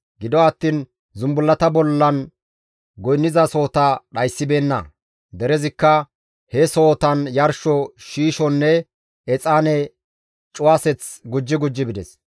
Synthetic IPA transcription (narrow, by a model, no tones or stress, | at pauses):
ɡɪd̪ɔɐt̪ːiːn | zʊmbʊlːɐt̪ɐbɔlːɐn | ɡɔjnːɪzɐso̞ːt̪ɐɗɐjsːɪbe̞ːnːɐ̰ | d̪ɛɾɛzɪkːɐ | hɛso̞ːt̪ɐnjɐɾʃɔʃiːʃɔnːɛ | ɛt͡sʼaːnɛ | t͡ʃʼʊwaːsɛt͡sɡʊd͡ʒːɪɡʊd͡ʒːɪbɪd̪ɛs